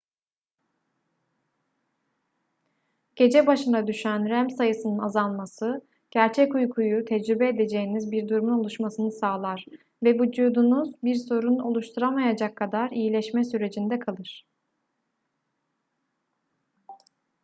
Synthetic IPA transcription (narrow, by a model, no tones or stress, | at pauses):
ɟ̥e̞d͡ʒɛbaʃɯnad̪yʃænɾæmsajɯsɯnɯnazanˠmasɯ | ɟ̥æɾt͡ʃʰɛcujkʰujut̪ʰɛd͡ʒɾybɛed̪e̞d͡ʒe̞jinizbiɾd̪uɾmuno̞lˠuʃmasɯnɯsaːlˠaɾ̥ | vɛvud͡ʒuːd̪unuzbiɾso̞ɾuno̞lˠuʃt̪ʰuɾamajad͡ʒakʰːad̪aɾijilʲɛʃmɛsyɾe̞d͡ʒind̪ɛkʰalˠɯɾ̝̥